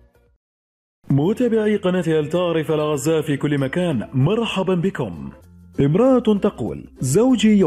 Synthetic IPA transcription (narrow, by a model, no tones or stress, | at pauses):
muːt̪abɪʕiːqɑnaːt̪iʔalt̪ɑːʕɾˤɪfalɣazːaːʔfiːkʊlːɪmakaːnmɑɾˤħɑbanbɪkʊ̰m | ʔɪmɾˤɑʔat̪ɑqṵːlzawd͡ʒij